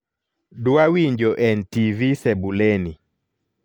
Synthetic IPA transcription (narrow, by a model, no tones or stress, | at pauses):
duawiɲd͡ʒɔʔɛntivisɛbulɛni